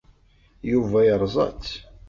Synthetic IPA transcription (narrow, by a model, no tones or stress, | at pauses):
juvæjəɾˤzˤɑ̰t͡s